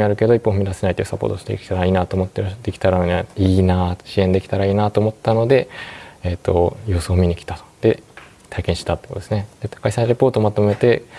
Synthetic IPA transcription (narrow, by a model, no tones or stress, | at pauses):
mʲiaɾɯ̟ke̞d̪o̞ipːõ̞ɸɯ̟mʲid̪asenait̪ojo̟sapːo̰t̪oɕi̥t̪ḛkʲi̥t̪aɾaiːnat̪oːmo̞t̪ːed̪e̞kʲi̥t̪aɾanoɲiːnaɕiẽ̞nd̪e̞kʲi̥t̪aɾaiːnat̪o̞ːmo̞t̪ːano̞d̪e̞et̪ːo̰jo̞ːsoːmʲiɲ̟ikʲi̥t̪at̪o̥d̪̥e̞ | t̪aikẽ̞ɕi̥t̪at̪ːekot̪o̥esɨned̪̥e̥kaisãɲɾe̞po̞ːt̪oːmat̪o̞me̞t̪e̞